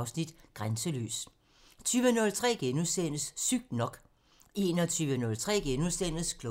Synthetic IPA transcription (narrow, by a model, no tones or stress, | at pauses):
ʊsnid̥ɡ̥ʁansəly̰ːs | t͡sʰyːʋənɔlt͡sʰʁɛ̰ːɡ̥enusen̰əssyɡ̥̚d̥nɒ̽ɡ̥ | e̝nɒt͡sʰyːʋənɔ̽lt͡sʰʁɛ̰ːɡ̥enulˠsen̰əskʰl